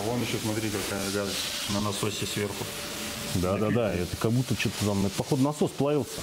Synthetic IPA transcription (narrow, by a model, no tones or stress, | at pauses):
o̞njɪɕːosmɐt̪ɾʲikɐkajəɪɡad̪ənanɐsosʲɪsvʲe̞rxʊ | d̪ad̪ad̪aɛt̪əkɐɡ̚but̪ːət͡ɕot̪ːət̪amɛt̪pɐxod̪nɐsosplˠɐvʲilˠsʲə̥